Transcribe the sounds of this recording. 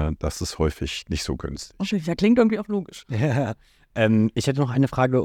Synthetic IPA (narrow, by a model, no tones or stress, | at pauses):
əd̥asɪsthɔʏfɪçnɪçtz̥o̰ːɡʏ̰nstokʰeːjaːkl̥ɪŋt̚ɪɡŋ̩tv̥iːaʊxloːɡɪʃjaː | ʔɛːmʔɪçhɛt̬ənɔχʔaɪnəfʁ̥aːɡə